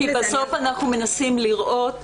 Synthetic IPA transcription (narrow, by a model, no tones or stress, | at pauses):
ibaso̞fanaχnume̞nasimliʁʔo̞t